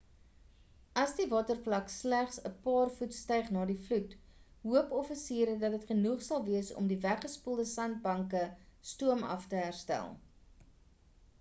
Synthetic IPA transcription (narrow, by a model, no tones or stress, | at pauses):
ɐsdivɑːtərflɐkslæχsəpɑːrfutstɛjχnɑːdiflutɦuəpɔfisiːɾədɐtɦətχənuχsɐlˠviəsɔ̰mdivæχəspulˠdəsɐnt̚bɐŋkəstuəmɐ̰ftəɦærstæ̰lˠ